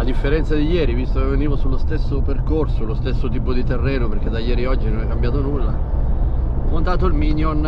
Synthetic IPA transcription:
ad̪ifːeɾɛnt̪sad̪ijɛːɾivist̪okevːeniːvosulːost̪esːoperkorsolost̪esːot̪iːpod̪it̪erːɛːnoperk̟ed̪ajːɛːɾiɔd͡ʒːinonɛkːambjaːt̪onulːa | ɔmːont̪aːt̪oilmiːnjon

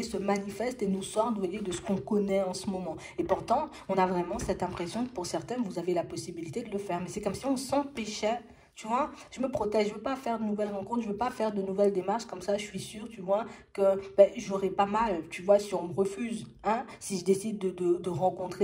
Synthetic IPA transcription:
esəmanifɛst̪enusɔʁt̪vwajed̪əsə̥kɔ̃kɔnɛɑ̃səmɔmɑ̃ | epuʁt̪ɑ̃ | ɔ̃navʁɛmɑ̃sɛt̪ɛ̃pχesjɔ̃kə̥puʁsɛʁt̪ɛ̃nvuzavelapɔsibilit̪ed̪ələfɛʁmɛsɛkɔmsiɔ̃sɑ̃pɛʃɛ | t̪yvwaʒ̥əməpχɔt̪ɛʒːʒəvøpafɛʁd̪ənuvɛlʁɑ̃kɔ̃t̪χʒəvøpafɛʁd̪ənuvɛld̪emaʁʃkɔmsaʒəsɥisyʁt̪yvwakəbɛʒoʁɛpamalt̪yvwasiɔ̃məʁəfyzɛ̃siʒəd̪esid̪ːəd̪əd̪əʁɑ̃kɔ̃t̪χe

